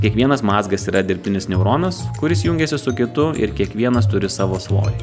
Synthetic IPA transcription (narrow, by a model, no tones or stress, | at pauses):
kʲiɛkʋʲiɛnɐsmɑːzɡɐsiːɾɐd̪ʲɪɾʲpʲt̪ʲɪnʲɪsnʲɛʊɾoːnɐskʊɾʲɪsjʊŋʲɡʲɛsʲɪsʊkʲɪt̪ʊɪ̰ɾkʲiɛkʋʲiɛnɐst̪ʊɾʲɪsɑːʋoːsʋo̰ːjʲɪ